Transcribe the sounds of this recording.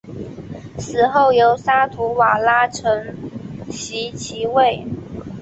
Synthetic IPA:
sɹ̩˨˩xo˥˩ʊjo˧˥ʊsa˥t̪ʰu˧˥wa˨˩la˥ʈ͡ʂʰɤ˧˥ŋɕi˧˥t͡ɕʰi˧˥we˥˩ɪ

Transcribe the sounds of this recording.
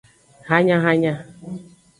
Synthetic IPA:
ɦa˦ɲa˦ɦa˦ɲa˦

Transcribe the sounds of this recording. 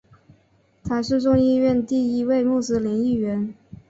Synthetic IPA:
t̪ʰa˧˥ʂɻ̩˥˧ʈ͡ʂʊ˥˧ŋi˥˧ɥɛ˥˧nt̪i˥˩i˧˥we˥˧ɪmu˥˩sɹ̩˧˥li˧˥ŋi˥˩ɥɛ˧˥n

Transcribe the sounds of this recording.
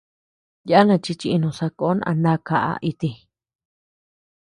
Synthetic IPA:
ja˦a˦nã˧˨t͡ʃi˧t͡ʃi˧ʔnũ˧˨sa˧ko˨˦n˧ʔã̰˧nã˦ka˨ʔa̰˧ʔi˧t̪i˧

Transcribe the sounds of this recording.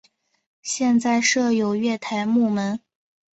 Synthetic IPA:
ɕjɛ˥˧nt͡sa˥˧ɪʂɤ˥˩jo˨˩ʊɥɛ˥˩t̪ʰa˧˥ɪmu˥˩mə˧˥n

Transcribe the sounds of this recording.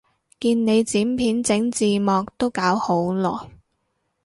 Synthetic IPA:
kiː˧nne˨˧jt͡siː˨˥mpʰiː˨˥nt͡sɪ˨˥ŋt͡siː˨mɔː˨k̚t̪o˥wkaː˨˥who˨˥wlɔ̰ː˨˩j

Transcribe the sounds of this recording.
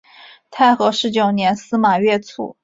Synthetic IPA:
t̪ʰa˥˩ɪxɤ˧˥ʂɻ̩˧˥t͡ɕjo˨˩ʊnjɛ˧˥nsɹ̩˥ma˨˩ɥɛ˥˩t͡sʰṵ˨˩˦

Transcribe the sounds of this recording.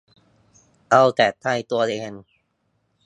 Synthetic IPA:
ʔa˧wt̪ɛː˨˩t̪ʰːa˧˥˩jt̪u˧ɐleː˧n

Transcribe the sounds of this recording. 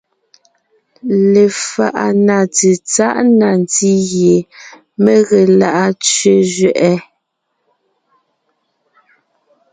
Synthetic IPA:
le˨fa̰˨ʔa˨na˨te˨t͡sa˦ʔna˨n˨ti˦ɣje˨ | me˦ɣe˨la˦ʔa˦t͡sɥe˦zɥɛ˨ʔɛ˦

